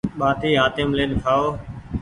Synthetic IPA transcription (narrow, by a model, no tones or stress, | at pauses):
ɓaːt̪iːɦaːt̪ɪmleːnkʰaːoː